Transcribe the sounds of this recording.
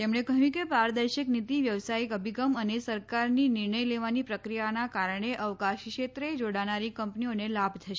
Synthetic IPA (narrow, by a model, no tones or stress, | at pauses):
t̪emɳekəɦjũkebaɾd̪əɾʃəknit̪iʋjəʋsaikəbʱiɡəmənesəɾkaɾninɪɾɳəjleʋanipɾəkɾijanakaɾəɳeʔəʋkaʃkʃet̪ɾed͡ʒoɽanaɾikəmpnionelabʱt̪ʰəʃe